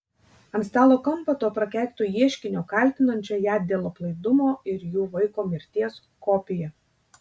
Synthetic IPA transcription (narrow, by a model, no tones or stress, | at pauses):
ɐmʲsʲt̪ɑːlˠoːkɐmpɐt̪oːpɾɐkʲæˑːkʲt̪uːjiɛʃʲkʲɪnʲoːkɑˑlʲt̪ʲɪnɐnʲt͡ʃʲɛjæːd̪ʲeːlˠoːplˠɐɪd̪ʊmoːɪɾjuːʋɐɪkoːmʲɪɾʲt̪ʲiɛs | kɔpʲɪjɛ